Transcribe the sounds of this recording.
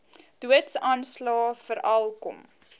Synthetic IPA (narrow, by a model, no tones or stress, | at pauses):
duətsɑːnslɑːfəɾʔɐlˠkɔm